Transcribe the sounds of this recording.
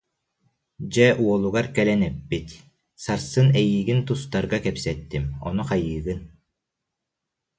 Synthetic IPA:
d͡ʑɛʔuɔlˠuɡaɾkɛlɛnɛpːit̪ | saɾsɯnɛjiːɡint̪ust̪aɾɡakɛpsɛt̪ːimɔ̰nuqajɯːɡɯn

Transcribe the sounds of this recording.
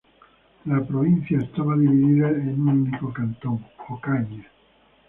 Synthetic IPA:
lapɾovinsjaest̪avad̪ivid̪iːðainunikokant̪oŋokaɲe

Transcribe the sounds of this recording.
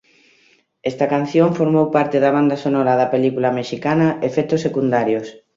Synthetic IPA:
ɛst̪ɐkan̟θjoɱfoɾmowpaɾt̪eðɐβ̞and̪ɐsonɔɾɐðɐpelikulɐmeʃikanɐefɛt̪osːekund̪aɾjos

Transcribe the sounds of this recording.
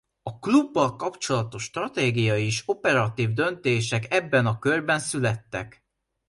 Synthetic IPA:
ɒklubːɒlkɒpt͡ʃo̞lɒt̪o̞ʃːt̪rɒt̪eːɡijɒjieːʃo̞pɛɾɒt̪iːvd̪ø̞nt̪eːʃɛkɛbːɛnɒkørbɛnsylɛt̪ːɛ̰k

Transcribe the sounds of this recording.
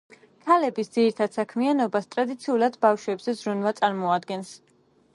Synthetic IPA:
kʰalɛbisd̪ziɾit̪ʰad̪̥sakʰmianɔbast̪ʼɾad̪it̪sʰiulˠad̪bafʃwɛbzɛzɾunvat̪sʼaɾmɔad̪ɡɛns

